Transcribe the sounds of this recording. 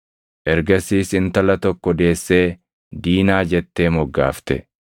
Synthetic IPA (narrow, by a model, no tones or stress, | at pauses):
ʔɛɾɡɐsiːsɪnt̪ɐlɐt̪ɔkːɔd̪e̞ːsːe̞ː | d̪iːnaːd͡ʒɛt̪ːe̞ːmɔɡːa̰ːft̪ɛ̰